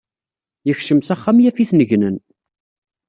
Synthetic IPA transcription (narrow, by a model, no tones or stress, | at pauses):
jəçʃəmsæχːamjæfiθnəʝnən